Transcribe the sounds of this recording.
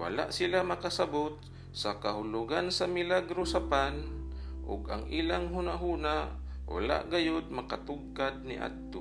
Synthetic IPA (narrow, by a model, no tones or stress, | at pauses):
wa̰la̰ʔsɪlamakasabot̪̚ | sakahʊlʊɡansamɪlaɡɾosapanʔʊ̰ɡa̰ŋʔiːlaŋɦuːnaʔɦuːnaʔwa̰la̰ʔɡajod̪̚makat̪ʊɡ̚kad̪̚nɪʔa̰d̪̚t̪o